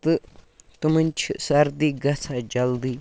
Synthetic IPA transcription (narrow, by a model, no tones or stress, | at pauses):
t̪ɨt̪umənʲt͡ʃʰisɐɾd̪iːɡɐt͡sʰad͡ʒɐld̪iː